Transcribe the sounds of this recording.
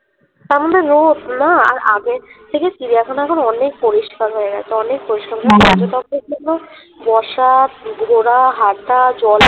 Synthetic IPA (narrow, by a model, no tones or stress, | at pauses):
t̪aɾmod̪ʱːeɾot̪naa̰ɾʔa̰ɡeɾt̪ʰekesiɾiɛkʰonɛkʰonoɔnek̚poɾiʃkaɾɦɔeɾat̪oɔnek̚poɾiʃkaɾɦɔad͡ʑot̪ɔkeɾd͡ʑʱonːo | bɔʃat̪ɡʱoɾaɦaɾt̪ad͡ʑɔl